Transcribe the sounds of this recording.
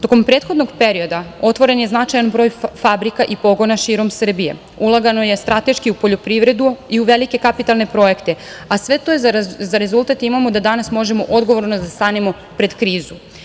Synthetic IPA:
t̪o̞ko̞mpɾet̪xo̞d̪no̞ɡpe̞ɾio̞d̪ao̞t̪ʋo̞ɾe̞nje̞znat͡ʃajanbɾo̞ːjfabɾikaʔipo̞ɡo̞naʃiːɾo̞msr̩bije̞̰ | ulˠaɡano̞je̞st̪ɾat̪e̞ʃkiupo̞ʎo̞pɾiʋɾe̞d̪uiuʋe̞like̞kapit̪alˠne̞pɾo̞je̞kt̪e̞asʋe̞t̪ozaɾe̞zult̪at̪imamo̞d̪ad̪anasmo̞ʒe̞mo̞ʔo̞d̪ɡo̞ʋo̞ɾnod̪ast̪aːnemo̞ | pɾe̞d̪kɾiːzu

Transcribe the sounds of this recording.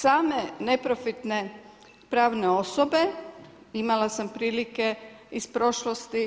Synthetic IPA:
saːme̞ne̞pɾo̞fit̪ne̞ | pɾaːʋneo̞sobe̞imalˠasampɾiːlike̞ispɾo̞ʃlost̪i

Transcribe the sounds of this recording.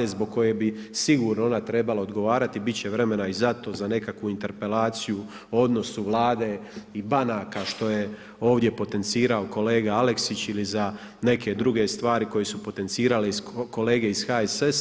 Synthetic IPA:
ezboɡ̚ko̞je̞bisiɡuːɾnoo̞nat̪ɾe̞balaod̪ɡo̞ʋaːɾat̪ibit̪t͡ɕe̞ʋɾe̞me̞naizat̪o̞zane̞kakʋuint̪e̞ɾpe̞laːt̪siju | o̞d̪no̞suʋlˠaːd̪eibanaːkaʃt̪o̞je̞ | o̞ːʋd̪je̞po̞t̪e̞nt̪siːɾao̞ko̞le̞ːɡaale̞ksit͡ɕiliza | ne̞kʰe̞d̪ɾuɡe̞st̪ʋaːɾiko̞je̞supo̞t̪e̞nt̪siːɾaleisko̞le̞ːɡe̞iz̥xaeses

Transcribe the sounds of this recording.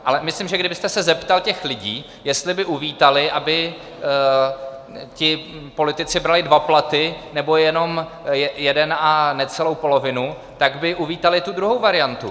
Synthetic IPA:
ʔalɛmɪslimʒɛɡdɪbɪst̪ɛsɛzɛpt̪alcɛxlɪɟiː | jɛst̪lɪbɪʔuviːt̪alɪʔabɪ | cɪpo̞lɪt̪ɪt͡sɪbɾalɪdvaplat̪ɪnɛbo̞jɛno̞m | jɛjɛdɛnanɛt͡sɛlowpo̞lo̞vɪnu | t̪aɡbɪʔuviːt̪alɪt̪ud̪ɾuɦowvaɾɪjant̪u

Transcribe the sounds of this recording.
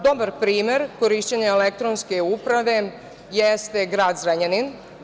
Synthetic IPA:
d̪obaɾpɾiːme̞ɾkoɾiʃt͡ɕeɲeelek̚t̪ɾonskeupɾaʋe̞ | jest̪e̞ɡɾaːd̪zɾaɲanin

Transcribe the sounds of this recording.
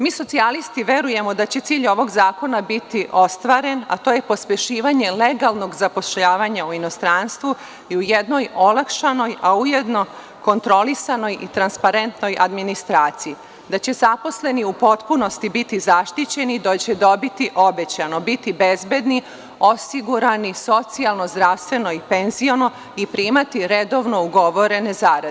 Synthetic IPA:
miːso̞t̪sialist̪iʋe̞ɾuje̞mo̞d̪at͡ɕe̞t̪siːʎo̞ʋo̞ɡzaːko̞nabit̪iʔo̞st̪ʋaːɾe̞na̰t̪oːje̞po̞spʲjeʃiːʋaɲe̞le̞ɡalˠno̞ɡzapo̞ʃʎaːʋaɲauino̞st̪ɾaːnst̪ʋu | iujed̪no̞jo̞lˠakʃano̞jaujed̪no̞ | ko̞nt̪ɾo̞lisano̞jʔit̪ɾanspaɾe̞nt̪no̞jʔad̪minist̪ɾaːt̪siji | d̪at͡ɕe̞zapo̞sle̞niupo̞t̪puno̞st̪ibit̪izaʃt̪it͡ɕe̞nid̪ot͡ɕe̞d̪o̞bit̪iʔo̞be̞t͡ɕano̞bit̪ibezbe̞d̪ni | o̞siɡuɾaniso̞t̪sialˠno̞zd̪ɾaːʋst̪ʋe̞no̞ipe̞nzio̞no̞ | ipɾiːmat̪iɾe̞d̪oʋno̞uɡo̞ʋo̞ɾe̞ne̞zaːɾade

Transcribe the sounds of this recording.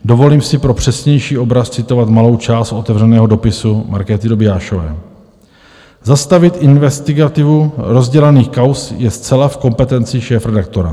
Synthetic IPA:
do̞vo̞liːmsɪpɾo̞pr̝̥ɛsɲɛjʃiːʔo̞bɾast͡sɪt̪o̞vat̪malo̞wt͡ʃaːst̪ʔo̞t̪ɛvr̝ɛnɛːɦo̞do̞pɪsumaɾkɛːt̪ɪdobɪjaːʃovɛ̰ː | zast̪avɪt̪ʔɪnvɛst̪ɪɡat̪ɪvuɾo̞zɟɛlɛniːxkawsjɛst͡sɛlafko̞mpɛt̪ɛnt͡sɪʃɛːfɾɛdak̚t̪o̞ɾa

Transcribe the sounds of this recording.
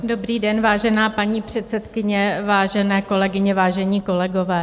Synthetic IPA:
do̞bɾiːdɛnvaːʒɛnaːpaɲiːpr̝̥ɛt̪sɛt̪kɪɲɛvaːʒɛnɛːko̞lɛɡɪɲɛvaːʒɛɲiːko̞lɛɡo̞vɛː

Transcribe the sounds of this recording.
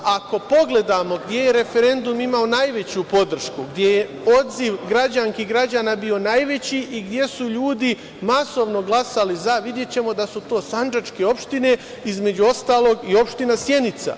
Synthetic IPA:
ako̞po̞ɡle̞d̪amo̞ɡd̪je̞je̞ɾe̞fe̞ɾe̞nd̪umimaonajʋe̞t͡ɕupo̞d̪r̩ʃkuɡd̪ʲje̞je | o̞d̪ziʋɡɾad͡ʑaŋkiɡɾad͡ʑanabio̞naːjʋe̞t͡ɕiʔiɡd̪je̞suʎuːd̪i | maso̞ʋno̞ɡlˠasalizaʋid̪je̞t͡ɕe̞mo̞d̪asut̪o̞ːsand͡ʒat͡ʃke̞o̞pʃt̪ine̞ | izme̞d͡ʑuo̞st̪aːlo̞ɡio̞pʃt̪inasje̞nit̪sa̰

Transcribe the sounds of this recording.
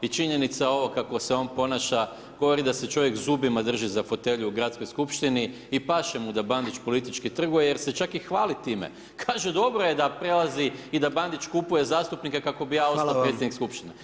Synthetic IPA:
it͡ʃiɲe̞nit̪sao̞ʋo̞kako̞se̞o̞npo̞naʃa | ɡo̞ʋo̞ɾid̪ase̞t͡ʃo̞ʋje̞kzubimad̪r̩ʒizafo̞t̪e̞ʎuuɡɾat̪sko̞jskupʃt̪ini | ipaʃemud̪aband̪it͡ʃpo̞lit̪it͡ʃkit̪r̩ɡujeje̞ɾse̞t͡ʃakixʋaːlit̪iːmḛ | kʰaːʒed̪o̞bɾo̞jed̪apɾe̞lˠaziid̪aband̪it͡ʃkupuje̞zaːst̪upnikakako̞bijaːo̞salpɾet̪jenikskupʃt̪ine

